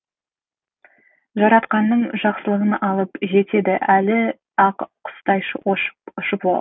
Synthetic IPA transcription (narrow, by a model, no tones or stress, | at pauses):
ʒɑɾɑt̪qɑnːəɴʒɑqsəlˠəʁənɑlˠəpʒe̞t̪e̞d̪ɪʔælɪ | ɑqqʰʊ̥st̪ɑjʃəwoʃʊʃəpo